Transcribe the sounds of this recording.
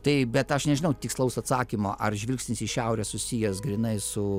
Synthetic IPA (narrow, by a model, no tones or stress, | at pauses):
t̪ɐɪbʲɛt̪ɐʃnʲɛʒʲɪnɐʊt̪ʲɪkslˠɐʊsɐt̪sɑːkʲimoːʔɐrʒʲʋʲɪlʲksʲnʲɪsɪʃʲɛʊɾʲɛsʊsʲijɛsɡɾʲɪnɐɪsʊ